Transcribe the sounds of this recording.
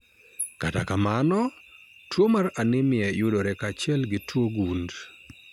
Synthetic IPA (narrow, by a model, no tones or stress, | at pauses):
kata̰kamanɔtwomaɾanɪmɪɛjʊdɔɾɛkat͡ʃɪɛlɡɪtwoɡund